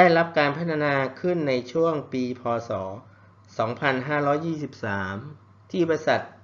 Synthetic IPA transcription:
daː˥˩jɾa˦˥p̚kaː˧npʰa˦˥t̪ʰa˧naː˧kʰɯ˥˩nːa˧jt͡ɕʰu˥˩əŋpiː˧pʰɔː˧sɔː˩˦ | sɔː˩˦ŋpʰa˧nɦaː˥˩ɾɔː˦˥jːiː˥˩si˨˩p̚saː˩˦m | t̪ʰiː˥˩ba˧jsa˨˩t̪̚

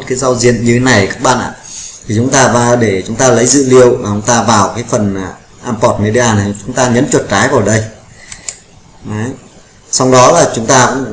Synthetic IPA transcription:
t̚kaː˨˦jza˧wzḭ˧˨ənɲɨ˧e˨˦na˨˩jkaː˦˥k̚ɓa̰ː˧˨nʔa̰ː˧˨t̪ʰi˨˩t͡ɕʊ˨˦ŋ͡mt̪aː˧vaː˧ɗe˧˩t͡ɕʊ˨˦ŋ͡mt̪aː˧lə˨˦jzɨ̰˧˨li˧əwmaː˨˩ʔə˨˦wŋ͡mt̪aː˧vaː˨˩wkaː˨˦jfə˨˩n˨˩ | ʔaː˧mpɔ˨˧˩t̚me˧ɗi˧ʔaː˧˩n˨˩t͡ɕʊ˨˦ŋ͡mt̪aː˧ŋə̰˧˥nt͡ɕwə˨˩t̚t͡ɕaː˨˦jvaː˨˩wɗə˧j | a˨˦j | sa˧wɗɔ˨˦laː˨˩t͡ɕʊ˨˦ŋ͡mt̪aː˧kʊ̰˧˥ŋ͡m

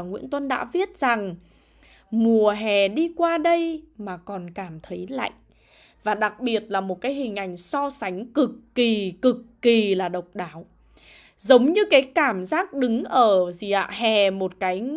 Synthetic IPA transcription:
ŋwḭ˧˥ənt̪wə˧nɗa̰ː˧˥vi˦˥ət̚za˨˩ŋ | mu˨˩əɦɛ˨˩ɗi˧kwaː˧ɗə˧jmaː˨˩kɔ˨˩nkaː˧˩mt̪ʰə˨˦jla̰ː˧˨jʔ | vaː˨˩ɗa˨˩k̚ɓi˨˩ət̚laː˨˩mo˨˩t̚kaː˨˦jhï˨˩ŋ̟ʔa˨˩jŋ̟sɔ˧sa˨˦jŋ̟kɨ˨˩k̚ːi˨˩kɨ˨˩k̚ːi˨˩laː˨˩ɗə˨˩wk͡p̚ɗaː˨˦w | zə˨˦wŋ͡mɲɨ˧kaː˨˦jkaː˧˩mzaː˦˥k̚ɗɨ˨˦ŋʔəː˧˩zi˨˩ʔa̰ː˧˨hɛ˨˩mo˨˩t̚kaː˨˦j

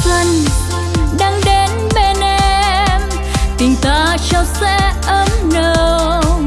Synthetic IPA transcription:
t̪ə˧˩n | ɗaː˧ŋɗe˨˦nɓe˧nʔɛ˧m | t̪ï˨˩ŋt̪aː˨˦t͡ɕɔ˧sɛ̰˧˥ʔə˧˦mnə˧

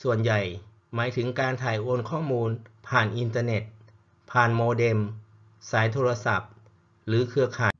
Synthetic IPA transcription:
su˨˩ənja˨˩j | maː˩˦jt̪ʰɯ˩˦ŋkaː˧nt̪ʰaː˨˩jʔo˧nkʰɔː˥˩muː˧npʰaː˨˩nʔi˧nt̪aː˧ne˨˩t̪̚ | pʰaː˨˩nmoː˧de˧m | saː˩˦jt̪ʰoː˧ɾa˧sa˨˩p̚ | ɾɯː˩˦kʰɯ˧ɐkʰaː˨˩

